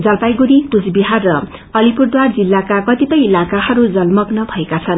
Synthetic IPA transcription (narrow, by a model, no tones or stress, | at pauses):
d͡zʌlpajɡuɾit̪ud͡zbiɦarːʌ | ʌlipurd̪ward͡zilːakakʌt̪it̪ʌjilakahʌɾud͡zʌlmʌɡnʌbʱʌekat͡sʰʌn